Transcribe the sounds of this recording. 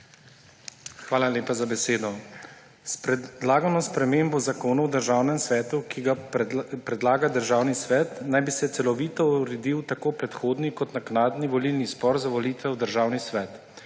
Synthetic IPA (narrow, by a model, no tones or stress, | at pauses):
xʋaːlaljeːpazabɛseːd̪ɔ | spd̪laːɡanɔspɾɛmeːmbɔzakoːnuwd̪əɾʒaːwnɛmsʋɛːt̪ukiɡapɾɛd̪laːɡad̪əɾʒaːwnisʋɛːt̪najbisɛt̪sɛlɔʋiːt̪ɔuɾed̪iwt̪akoːpɾɛt̪xoːd̪nikɔt̪naknaːd̪niʋɔlilnispɔɾzaʋɔliːt̪ʋɛwd̪əɾʒaːwnisʋɛːt̪